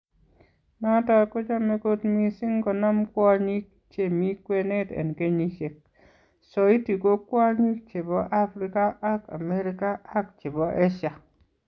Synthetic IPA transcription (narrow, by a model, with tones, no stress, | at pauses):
na˦ta˦ko˦t͡ʃɔ˦me˨˦ko˦tmi˦si˦ŋkɔ˨na˦mkwɔ˦ɲi˦k̚ | t͡ʃe˨mi˦kwe˦ne˦tḛ˨nke˦ɲi˦t͡ʃe˨k̚ | sɔ˨i˦ti˨ko˦kwa˦ɲi˦k̚t͡ʃe˨bɔ˦ʔa˦fɾi˦ka˦a˦ka̰˨me˦ɾi˦kaː˦kt͡ʃe˨bɔ˦ʔe˦ʃa˨